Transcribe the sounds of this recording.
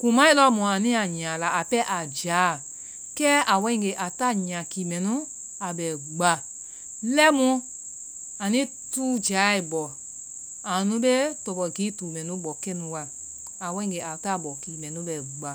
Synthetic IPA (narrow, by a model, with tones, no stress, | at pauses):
kũ˨mã˨˦i˦lɔ˧˦mũ˨a˨nĩ˦a˨ɲã˨la˨a˨pɛ˦ʔa˨d͡ʒaː˨˦ | kɛː˦ʔa˨wɛ̃˧˦ĩ˨ɡe˨ʔa˨ta˦˨ɲã˨kiː˨mɛ̃˨nũ˦ | a˨ɓɛ˨ɡ͡ba˧ | lɛ˦mũ˧˦ | a˨nĩ˦ | tuː˦d͡ʒaː˨˦i˨bɔ˨ | a˨nũ˧˦ɓe˦tɔ˧ɓɔ˨ɡiː˨˦tuː˨mɛ̃˨nũ˦ɓɔ˨kɛ̃˦nũ˧˦wa˧ | a˨wɛ̃˧˦ĩ˨ɡe˨a˨ta˦˨ɓɔ˨kiː˨mɛ̃˨nũ˨˦ɓɛ˨ɡ͡ba˨